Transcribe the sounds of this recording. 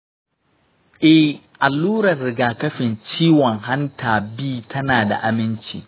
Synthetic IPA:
ʔɛ˦ | ʔa˨lːuː˦ɾɐ˨rɾɪ˨ɡaː˨kɐ˦ɸɪ˨nt͡ʃiː˦wɔ˨ŋɦa˦ntaː˨biː˦tʰɐ˦naː˨da̰˨ʔa˨mɪ˦nt͡ʃḭː˨

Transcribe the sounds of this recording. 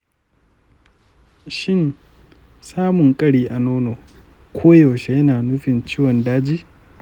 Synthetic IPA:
ʃɪ˦˨n | saː˦mʊ˨ŋkʼɐ˦ɽiː˦ʔa˨noː˦noː˨ | kʷʰoː˦jo˨wʃe˦jɐ˦naː˨nʊ˦ɸɪ˨nt͡ʃiː˦wɔ˨ndaː˦d͡ʒiː˦

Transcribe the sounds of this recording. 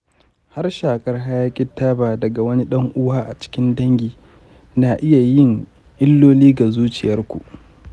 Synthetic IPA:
ha˦rʃaː˨kʼɐ˦rɦa˦jaː˦kʲʼɪ˦tːaː˦baː˨dɐ˨ɡa˨wɐ˦ni˦ɗɐ˦ŋʔʊ˦waː˦ʔa˨t͡ʃɪ̥˦kʲɪ˦ndɐ˦ŋɡʲiː˨ | naː˨ʔɪ˦ja˨jɪ˦ŋ | ʔɪ˦lːoː˦liː˦ɡa˨zuː˦t͡ʃɪ˨jɐ˦rkʷu˨ʔ

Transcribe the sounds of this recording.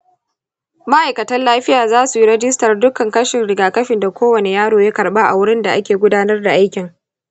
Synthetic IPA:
ma˦ʔa˨jkɐ˨tɐ˦nlaː˦ɸɪ˦jaː˨zaː˦su˨ji˦ɾɛ˦d͡ʒɪ˦stɐ˨rdʊ˦kɐ˨ŋkɐ˦ʃɪ˨nɽɪ˨ɡaː˨kɐ˦ɸɪ˨nda˨kʷoː˦wɐ˨ne˨jaː˦ɽoː˨ja˦kɐ˨ɽɓa˦ʔa̰˨wʊ˦ɽɪ˦nda˨ʔa˦kʲeː˨ɡʷʊ˦daː˦nɐ˦rda˨ʔa˦jkʲɪ˨ŋ

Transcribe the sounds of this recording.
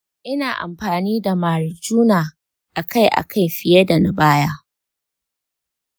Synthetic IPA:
ʔɪ˦naː˨ʔa̰˨mɸaː˨niː˦da˨maː˨ɽɪ˨d͡ʒuː˦naː˨ | ʔa˨ka˦˨jʔa̰˨kʰa˦jɸɪ˨jɐ˦da˨na˦baː˦jaː˦

